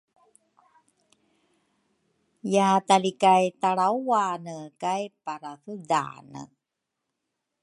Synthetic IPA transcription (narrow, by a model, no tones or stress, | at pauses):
jaatalikajtaɭawwanəkajpaɾaθuda̰nə̰